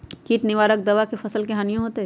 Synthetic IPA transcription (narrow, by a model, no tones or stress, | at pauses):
kiːʈnɪʋaːɾək̚d̪ɐʋakefɐsəlkeɦãːnijõɦoːt̪e